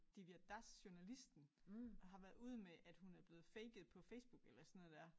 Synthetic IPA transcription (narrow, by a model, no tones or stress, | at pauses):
d̥iʋiæd̥æsɕunælisd̥n̩ɦɑ̈ʋæɐðˠuð̞̰ˠmeʔæd̥hunæɐb̥le̝ːð̩ˠfeɪɡ̥ð̞̩ˠpʰɒ̽feɪsb̥uɡ̥elɐsnːˠd̥æɐ̰